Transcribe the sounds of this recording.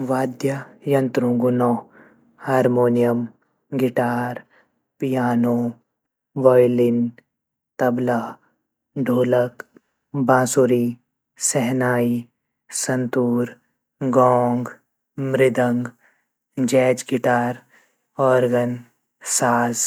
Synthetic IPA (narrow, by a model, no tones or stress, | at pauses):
ʋaːd̪jəjɐ̃nt̪ɾũːɡʊnɔː | haːɾmoːnijəm | ɡɪʈaːɾ | pijaːnoː | ʋɔːjlɪn | t̪ɐbla | ɖʱoːlək | bãːsuːɾiː | sɛɦnaːi | sɐnt̪uːɾ | ɡɔːŋɡ | mɾɪd̪ə̃ŋɡ | d͡ʒɛːt͡ʃɡɪʈaːɾ | ɔːɾɡən | saːz